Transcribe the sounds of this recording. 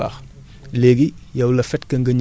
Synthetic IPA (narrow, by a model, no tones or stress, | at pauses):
a̰x | leːɡijɐwlɐfɛtkɐŋɡɐɲ